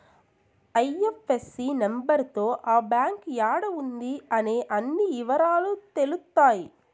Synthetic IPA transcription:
ɐjefesːinembɐɾt̪o̞ːʔaːbjaːŋkjaːɽɐund̪iɐne̞ːʔɐnːiːʋɐɾaːlut̪e̞lut̪ːaːji

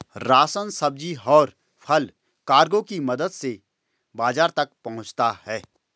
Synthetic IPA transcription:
ɾaːsənsɐb̚d͡ʒiɦɔːɾ | pʰɐl | kaːɾɡõkimɐd̪əd̪se | baːzaːɾt̪ɐk̚pɐɦʊ̃t͡ʃt̪ahɛː

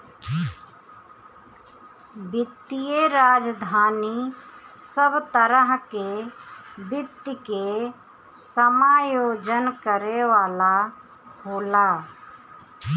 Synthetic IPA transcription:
bɪt̪ːijeɾaːd͡ʒd̪ʱaːnisəbt̪əɾəɦke | bɪt̪ːike | səmaːjoːd͡ʒənkəɾeʋaːla | hoːlaː

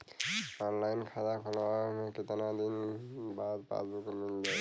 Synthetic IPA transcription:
ɔnlajnkʰazakʰɔlɔamket̪anad̪inbad̪̚pã̰sbukuminda

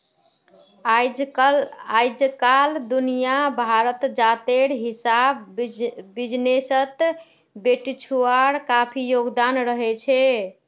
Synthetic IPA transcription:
ajd͡ʒkald̪unijabʱaɾət̪d͡ʒat̪eɾɦisab | bid͡ʒnesət̪ | beʈt͡ʃʰuaɾkapʰijoɡd̪anɾəɦɛt͡ʃʰɛ

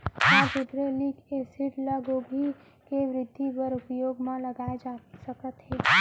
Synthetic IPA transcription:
aːd͡ʒud̪ɾəlikesiʈləɡobʱi | keʋɾɪd̪ʱːipəɾʊpjoːɡmãləɡaːed͡ʒaːsəkət̪ɦɛː

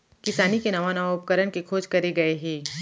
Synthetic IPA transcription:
kɪsaːnikenɐʋanaʋaʊpkəɾənkekʰoːd͡ʒkɐɾeɡɐeɦɛ̃ː

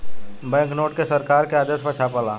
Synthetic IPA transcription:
bɛ̃ːŋknoːʈkesɐɾkaːɾkeaːd̪əsmat͡ʃʰapalaː

